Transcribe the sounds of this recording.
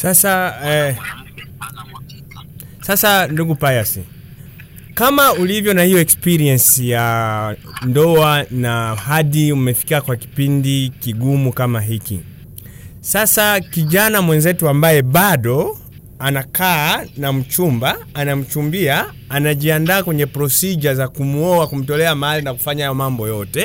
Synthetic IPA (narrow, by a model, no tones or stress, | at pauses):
sasa | sasanduɡupajasḭ | kamaulivjɔnahijɔɛkspiɾiɛnsija | ndɔanahaɗiumɛfi̥kiakwaki̥pindikiɡumukamaɦikḭ | sasakiʄanamwɛnzɛtuambajɛɓaɗɔ | anakaːnam̩t͡ʃumbaːnam̩t͡ʃumbiaː | naʄiandaːkwɛɲɛpɾɔsiʄazakumuɔwakum̩tɔlɛamaalinaku̥faɲaajɔmambɔjɔtɛ